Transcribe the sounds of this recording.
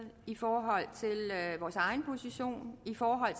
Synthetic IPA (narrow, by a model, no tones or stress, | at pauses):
ðˠifɒːɦɒ̽l̰t͡sʰe̝lʋɒːsɑ̈ɪnpʰo̝siɕo̝̰ːnifɒːɦɒ̽l̰t͡sʰ